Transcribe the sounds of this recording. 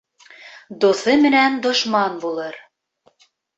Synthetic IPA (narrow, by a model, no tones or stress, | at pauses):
d̪oθɤmɘ̆nænd̪ŏʃmɑnbulˠɤɾ